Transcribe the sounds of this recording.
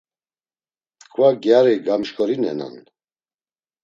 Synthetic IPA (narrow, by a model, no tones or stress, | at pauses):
kʰvaɡjaɾiɡamʃkʰʼɔɾinɛ̰na̰n